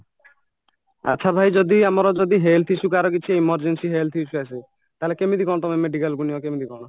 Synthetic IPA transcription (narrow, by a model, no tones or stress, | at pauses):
a̰tːʃʰabʱajd͡ʒɔd̪iamɔɾɔd͡ʒɔd̪iɦelt̪ʰit͡ʃʰukaɾɔkit͡ʃʰiimɔɾd͡ʒensiɦelt̪ʰit͡ʃʰuase | t̪aɦelekemid̪ikɔɽ̃ɔt̪ɔmemeɖikalɡuniɔkemid̪ikɔɽ̃ɔ